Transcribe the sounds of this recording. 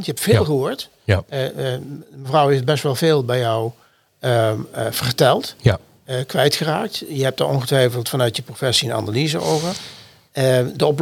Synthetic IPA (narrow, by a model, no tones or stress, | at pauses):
ntjəɦɛptfɪːlˠxəɦoːɹt | məvrɑwɦefbɛstʋɛlˠvɪːlˠbɛjɔw | əv̥ərtɛlˠt | kʋɛjtxəraːk̚tjəɦɛp̚taʔɔnɣətʋɛjfəlˠtfɑnœɥtjəprofɛsiəna̰nalizəo̰wvəɹ | dəɔp